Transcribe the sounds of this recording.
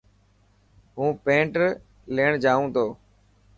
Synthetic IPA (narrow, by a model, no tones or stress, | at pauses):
ɦũːpẽːɳʈəɾ | leːɳd͡ʒaːʋũːt̪oː